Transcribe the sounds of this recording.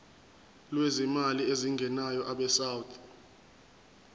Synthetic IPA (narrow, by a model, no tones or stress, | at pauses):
lwezimalieziŋɡʱɛnajɔʔaɓɛsawt̪ʰʼ